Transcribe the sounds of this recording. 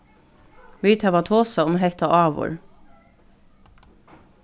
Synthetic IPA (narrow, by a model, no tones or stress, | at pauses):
ʋiːt̪hæʋat̪ʰoːsaʊmɦɛht̪aʔɑːʋɔ̰ɹ